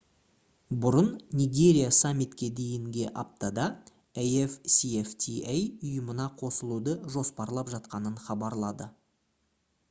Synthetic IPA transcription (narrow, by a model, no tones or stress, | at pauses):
bʊɾənnʲijɡʲe̞ɾʲijasamʲːit̪kʲe̞d̪e̞jɪŋɡʲeʔɑp̚t̪ɑd̪ɑ | ejefsieft̪ʲʰiejʊjəmənɑqʰo̞səlˠud̪əʒo̞spɑɾlˠɑpʒɑt̪qɑnəɴχɑbɑɾlˠɑd̪ə